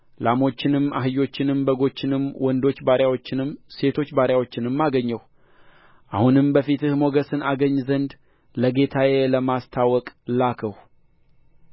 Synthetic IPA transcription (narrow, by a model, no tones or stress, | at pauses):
lamo̞t͡ʃːɪnɨma̰ɦɨjo̞t͡ʃːɪnɨmbəɡo̞t͡ʃːɪnɨmwɔnd̪o̞t͡ʃːbaɾjawo̞t͡ʃːɪnɨmse̞t̪ʰo̞t͡ʃːbaɾjawo̞t͡ʃːɪnɨmːaɡəɲːəw | ʔahunɨmbəfit̪ɨhmo̞ɡəsɨnaɡəɲːzənd̪ | ləɡe̞t̪ʰajeləmast̪ʰawɔkʼlakʰəh